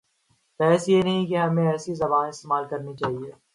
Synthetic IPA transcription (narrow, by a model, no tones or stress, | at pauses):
pɛːsjenɐɦĩkeɦɐmẽɛːsizɐbaːnɪst̪eːmaːlkɐɾnit͡ʃaːɦieː